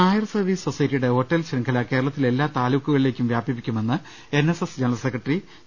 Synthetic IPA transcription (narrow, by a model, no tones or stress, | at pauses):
aːjɐrsɐrʋiːssosɐjɐtːijuɽe̞ɦo̞ʈːɐlɕiŋkʰɐlɐke̞ːɾɐɭɐt̪ːile̞lːaːt̪aːluːkːuɣɐɭile̞ːkʲːumʋjaːbjɐpːikʲːume̞nːɨ | e̞nːesesd͡ʑenɐɭɐsekːrɐʈri